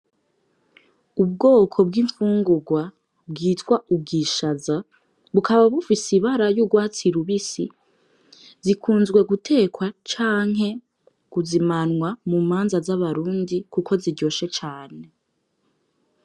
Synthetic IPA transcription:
ub̚ɡo̞ːkʰo̞b̚ɡiːɱfuːŋɡuɡwa | bɡiːtwaub̚ɡiːʃaza | βukaβaβufisiβaɾajuɡwaːt͡siɾuβisi | zikʰuːnzɡwe̞ɡutʰe̞ːkwat͡ʃaːŋ̥ɦe̞ | ɡ̥uzimanwamumaːnzazaβaɾuːndikuko̞ziɟo̞ːʃe̞t͡ʃaːne̞

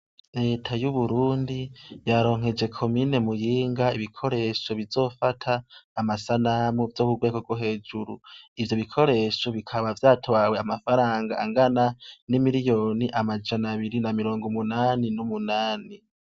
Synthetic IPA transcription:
ɾe̞ːtʰajuβuɾuːndijaɾo̞ːŋ̥he̞d͡ʒe̞kʰo̞mine̞mujiːŋɡaiβikʰo̞ɾe̞ʃo̞βizo̞ːfatʰaːmasanamuvjo̞ːkuɡwekoɡoɦe̞ːd͡ʒuɾuivjo̞βikʰo̞ɾe̞ːʃo̞βikʰaβavjaːtʰowaweamafaɾaːŋɡaaŋɡananimiɾijo̞ːniʔamad͡ʒanaβiɾinamiɾo̞ːŋɡomunaːninumunaːni

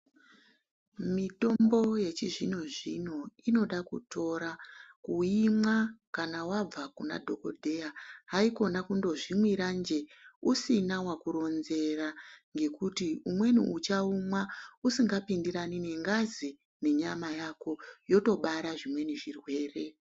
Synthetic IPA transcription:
mito̞mbo̞je̞t͡ʃiʐino̞ʐino̞ino̞ɗakṵtʰo̞ɾakuimwakanawab͡vakuna̰dʱo̞ko̞dʱe̞jaɦaiko̞nakundo̞ʐimwiɾand͡ʒe̞usinawakuɾo̞nze̞raŋɡe̞kutiumwe̞nṵut͡ʃaumwausiŋɡapindiɾanine̞ŋɡazi | ne̞ɲamajako̞jo̞to̞ɓaɾaʐimwe̞niʐirwe̞ːre̞

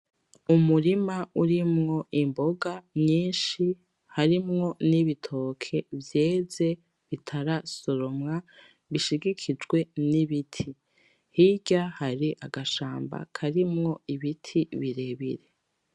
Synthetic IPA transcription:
umuɾimauɾimŋo̞ʔimbo̞ɡaɲɲiːnʃi | haɾimŋo̞niβitʰo̞kʰe̞vje̞ːze̞ | βitʰaɾasoɾomŋa | βiʃiɡikʰid͡ʒɡwe̞niβitʰi | hiɟahaɾiʔaɡaʃaːmba̰kʰaɾimŋo̞iβitʰiβiɾe̞βiɾe̞

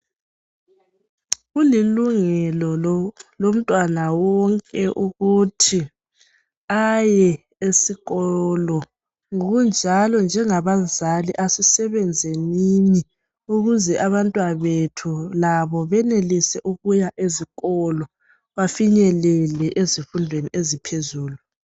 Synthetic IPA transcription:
ɣuliluŋɛlɔlom̩tʼwanawɔŋkʼɛʔuɣutʰi | ajɛ | esiɣɔlɔ | ŋoɣund͡ʒʱalɔnd͡ʒʱɛŋaβazaliʔasisɛβɛnd͡zʱɛnini | uɣuzɛʔaβantʼwaβetʰulaβɔβɛnelisɛʔuɣujaʔeziɣɔlɔ | βafiɲɛlɛlɛʔezifundʱweniʔezipʰezuːlu

